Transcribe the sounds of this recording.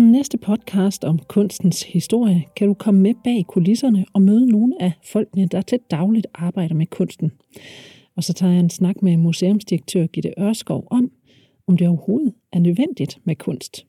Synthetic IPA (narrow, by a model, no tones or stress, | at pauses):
nesd̥əpʰɒ̽d̥̚kʰɑ̈ːsd̥ɒ̽mkʰɔ̽n̰sd̥n̩shisd̥o̝ɐ̰jəkʰæɾ̥ukʰɒ̽məmeb̥ɛ̰ːkʰulisɐnəɒ̽møːð̞ˠəno̝ːnəæfɒ̽l̰ɡ̥nəd̥ɑæt͡sʰe̝d̥ɑ̈ʊlid̥ʔɑ̈ːb̥ɑ̈ɪ̰ɾ̥ɐmekʰɔ̽n̰sd̥n̩ | ɒ̽sɒ̽t͡sʰɑ̰̈ːjɑ̈ensnɑ̈ɡ̥memuseːɔ̽msd̥iɐɡ̥̚t͡sʰø̰ɐ̰ɡ̥ḭd̥e̝ʔɶɐsɡ̥ɒʊ̰ʔɒ̽m̰ | ɒ̽md̥e̝ɒʊɐho̝ːð̩ˠʔæɐnøðˠʋen̰d̥id̥mekʰɔ̽n̰sd̥